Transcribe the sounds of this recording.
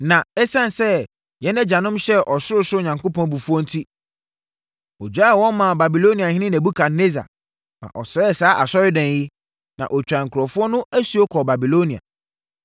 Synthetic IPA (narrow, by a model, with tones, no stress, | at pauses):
nã˨ɛ˦sã˦n˨sɛ˦ | jɛ˦nɛ̃˦d͡ʑa˨nʊ̃˦mɕɛ˦ʔɔ˨sʊ˦ʊ˦sʊ˦˨ɲã˨ŋko˦pʰɔ̃˦n˦bu˨fu˦ɔ˦n̩˦tʰi˦ | ɔ˨d͡ʑᶣa˦˨wɔ̃˦n˦mã˨ba˨bi˨lo˦nĩ˨a˨hɪ̃˦nɪ̃˦nɛ̃˨bu˦kʰa˨ne˦za̰˨ | mã̰˨ʔɔ˨sɛ˦˨saː˨˦ʔa˨sɔ˦ɾɪ˦dɛ̃˨n˨ji˦ | nã̰˨ʔɔ˨t͡ɕᶣã˨ŋ̩˨kʰɾɔ˨fʊ˦ɔ˦nʊ̃˦ʔæ˦su˦o˦kʰɔ˨ba˨bi˨lo˦nĩ˨a̰˨